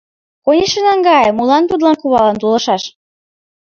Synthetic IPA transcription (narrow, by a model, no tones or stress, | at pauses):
konʲiʃə̆nɑŋɡɑjmulɑnt̪ud̪lɑnkuβɑlɤnt̪ulɤ̆ʃɑʃ